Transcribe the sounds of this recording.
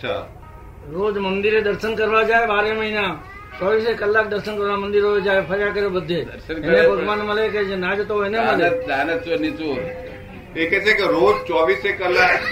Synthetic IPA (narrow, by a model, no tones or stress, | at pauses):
t͡ʃʰa̰ | ɾoːd͡ʒmɐ̃nd̪ɪɾed̪ɐɾsənkɐɾʋad͡ʒaːeʋaːɾemɐɦina | t͡ʃɔːʋiːsekɐlːaːk̚d̪əɾsənkɐɾʋamɐ̃nd̪ɪɾoed͡ʒaːepʰɐɾɪjakəɾebɐd̪ʱeɾsənkɪnẽpɐɾkʋaːnmɐlekeenaːd͡ʒot̪oɪnemə̃aːnɐsonĩt͡ʃo | eket͡ʃekeɾoːd͡ʒt͡ʃɔːʋiːsekɐlːak